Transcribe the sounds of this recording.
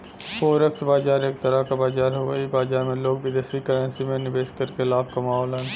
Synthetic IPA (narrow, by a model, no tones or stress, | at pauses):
poːɾəkt̪ʰbaːd͡ʒaːɾeːk̚t̪əɾakabaːd͡ʒaːɾɦoəibaːd͡ʒaːɾmẽloːk̚bɪd̪eːsikəɾənsimẽnɪbeːskəɾkelaːbkɐmaːɦɔːlən